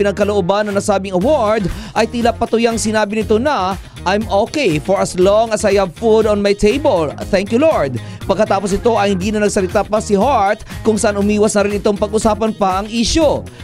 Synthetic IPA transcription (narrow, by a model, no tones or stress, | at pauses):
pɪnɐɡ̚kɐloʔobanːɐŋnɐsaːbɪŋɐwoɹd̪ʔɐjt̪iːlapɐt̪ʊjaŋsɪnaːbɪnɪt̪o̞nɐ | ʔajmokejfɔɹɐslɔŋɐsɐjɐvfud̪ɔnmajt̪ʰejbəlθɛŋkjuloɹd̪̚ | pɐɡkːɐt̪aːpos̬nɪt̪o̞ʔɐjhɪnd̪iːnɐnɐɡ̚sɐlɪt̪apɐsɪɦaɹt̪̚kʊŋsɐʔanʊmiːwɐsnɐɾɪnɪt̪o̞ŋpɐɡʊsaːpɐnpaʔɐŋʔiːʃo